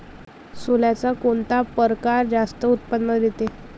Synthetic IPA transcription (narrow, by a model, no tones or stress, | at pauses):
soljat͡sakoɳt̪apəɾkaɾd͡zast̪əut̪pənːəd̪jet̪e